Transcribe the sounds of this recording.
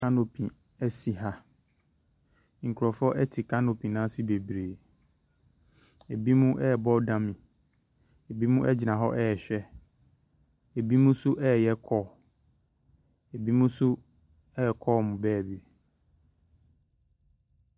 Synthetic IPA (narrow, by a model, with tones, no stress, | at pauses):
ã˦no˨pʰi˨ | ɛ˦si˨ɦa˦ | ŋ̩˨kʰu˨ɾɔ˨fɔ˦ʔɛ˦tʰi˨kʰã˦no˨pʰĩ˨nã˦sɪ˦be˨bɾeː˨ | e˨bi˦mũ˦ʔɛ˦˨bɔ˦dã˦mĩ˨ | e˨bi˦mũ˦ʔɛ˦d͡ʑɪ˨nã˨ɦɔ˦ʔɛ˦ɛ˨ɕᶣɛ˦ | e˨bi˦mũ˦sʊ˦ʔɛ˦˨jɛ˦kʰɔː˦˨ | e˨bi˦mũ˦sʊ˦ | ɛ˦˨kʰɔ˦˨mʊ̃˨bɛː˦˨bi˨